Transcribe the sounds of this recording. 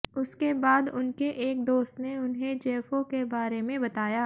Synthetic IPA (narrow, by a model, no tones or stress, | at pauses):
ʊskebaːd̪ʊnkeʔeːk̚d̪oːst̪neʊnɦed͡ʒeːfokebaːɾemẽbɐt̪aːjaː